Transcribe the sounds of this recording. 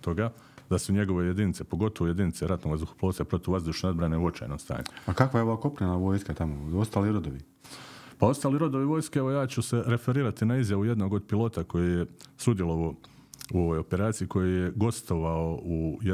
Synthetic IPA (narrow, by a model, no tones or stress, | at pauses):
t̪oɡa | d̪asuɲe̞ɡo̞ʋe̞je̞d̪init̪sepo̞ɡo̞t̪o̞ʋoje̞d̪init̪seɾat̪noɡazd̪uxo̥plˠosapɾo̞t̪iuʋazd̪uːʃneobɾaneuo̞t͡ʃa̰jnomst̪a̰ːɲuakakʋajeoʋaːko̞pɾenaʋo̞ːjskat̪amoost̪aːliɾod̪oʋi | pao̞st̪aːliɾo̞d̪o̞ʋiʋo̞ːjskeeʋo̞jaːt͡ɕuse̞ɾe̞fe̞ɾiːɾat̪inaizjaʋuje̞d̪no̞ɡod̪̚pilˠo̞t̪ako̞jijesud̪jelˠoo | uo̞ʋojo̞pe̞ɾaːt̪siiko̞jijeɡo̞st̪o̞ʋaoʔuj